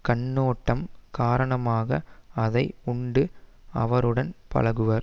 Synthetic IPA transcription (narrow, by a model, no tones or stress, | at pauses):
kɐɳːoːʈːɐmkaːɾɐɳɐmaːɣɐɐðɐɪʊɳɖɯɐ̰ʋɐɾɯɽɐnpɐ̰lɐɣɯʋɐɾ